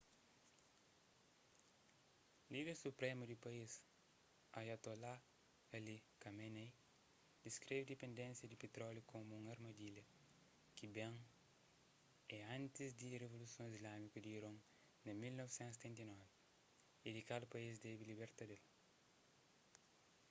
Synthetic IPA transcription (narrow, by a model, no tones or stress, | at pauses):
lid̪eɾsupɾemud̪ipɐis | ɐjat̪ola | elikɐmenej | d̪iskɾevid̪epẽnd̪ẽnsjɐd̪ipet̪ɾɔljukʰomuũŋɐɾmɐd̪ilɐ | kibẽŋ | ɛɐ̃nt̪izd̪irevolusiõizlamikɐd̪iːɾõŋ | nɐmilnɔvisẽnt̪se̥t̪ẽnt̪ɐinɔvi | id̪ikad̪ɐpɐizd̪ɛbilibeɾt̪ɐd̪el